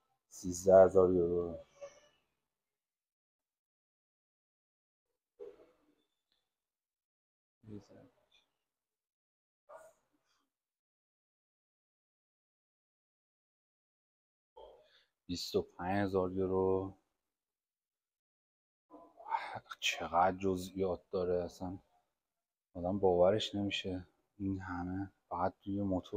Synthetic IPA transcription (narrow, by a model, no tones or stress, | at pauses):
siːzd̪æhezɒːɾjoɾo | b̥ist̪opʰænhe̞zɒːɾjeɾo | t͡ʃʰeɣæd̪̚d͡ʒozijɒːt̪̚d̪̥ɒːɾeæsæn | ɒːd̪æmbɒːvæɾeʃne̞miːʃe | inɦæmefæɣæd̪̚ɾujemot̪ʰo